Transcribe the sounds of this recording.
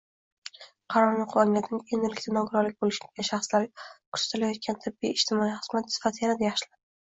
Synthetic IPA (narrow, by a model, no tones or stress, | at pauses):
qʰɑɾɒɾnɪqʰʊwaŋlat̪ɪnɪŋend̪ɪlɪkʲt̪ʰanɒɡʊɾɒɾlɪk̚ʲbolɪʃɪɡʲaʃɑχslaɾkʰʊ̥z̥ḁt̪ʰɪlajɒt̪̚kʰʲant̪ʰɪbːijɪʃt̪ɪmɒiχɨz̥mat̪sɪ̥fat̪ʰɪjanad̪ajɑχʃɪlad̪ɪ